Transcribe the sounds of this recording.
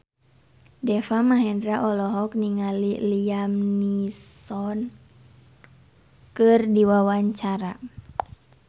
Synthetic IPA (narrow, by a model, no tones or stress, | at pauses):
dɛfamaɦɛndɾaʔɔlɔɦɔkniŋaliliamnissɔn | kɨrdiwawaɲt͡ʃaɾa